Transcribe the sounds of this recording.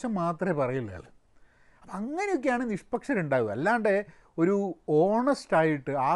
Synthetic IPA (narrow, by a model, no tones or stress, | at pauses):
ɐmːaːt̪rɐepɐrɐjilːɐ̰ɐ̰lɨ | ɐpːɐɐŋːɐne̞jo̞k̬ʲːejaːɳɨniʂpɐkʂɐɾuɳɖaːɣuɨɐ̰lːaːɳɖe̞ | o̞ɾuo̞ːrɳɐsʈaːjiʈːɨaː